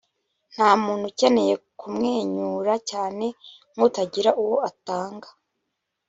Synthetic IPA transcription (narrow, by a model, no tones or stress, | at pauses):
n̥haːmuːn̥huceneje̞kʰumŋe̞ːɲuːɾacaːne̞ | ŋutaɟiɾaʔuwoataːŋɡḁ